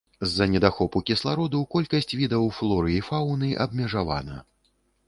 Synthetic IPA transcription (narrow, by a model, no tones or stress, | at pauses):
zːɐnʲɛd̪axɔpukʲislˠaɾɔd̪ukɔlʲkɐsʲt͡sʲvʲid̪ɐwflˠɔɾɨifawnɨʔɐbmʲɛʐava̰nɐ̰